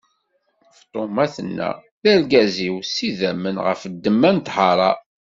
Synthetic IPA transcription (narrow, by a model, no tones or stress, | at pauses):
ft̪ˤomæθənːæ̰ | ðæɾɡæziwsiðæmənʁə̰fəd̪ːəmːænt̪hɑɾˤɑ